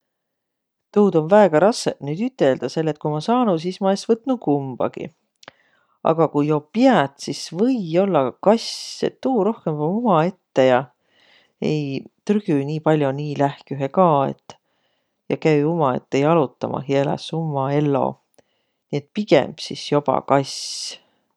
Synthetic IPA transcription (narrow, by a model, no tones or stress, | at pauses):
t̪uːd̪̥o̞nvæeɡ̥ɑɾɑsːeʔnyːd̪yt̪ːˑe̞ld̪̥ɑse̞lːe̞t̪̚kujmɑsɑːnus̬ismɑesvɤt̪ːˑnukumb̥ɑ̰ɡ̥ḭ | ʔɑ̰ɡ̥ɑkujjo̞piæt̪sisvɤ̞jo̞lːɑkɑsḛt̪ːuːɾo̞hke̞mvɑumɑe̞t̪ːe̞jɑ | e̞̰jt̪ryɡ̥yniːpɑlʲjoniːlæhkyɦekɑːḛt̪ːˑ | jɑ̰kæjumɑe̞̰t̪ːe̞jɑlut̪ːɑmʔɑ̰hielḛsumːɑe̞lːo̞̰ | niːe̞t̪ˑpiɡ̥ḛmb̥sisjo̞b̥ɑ̰kɑs